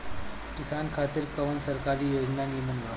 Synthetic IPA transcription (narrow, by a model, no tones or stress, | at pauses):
kisankʰat̪iɾkəʋənsəɾkaɾiːjod͡ʑnanimunʋa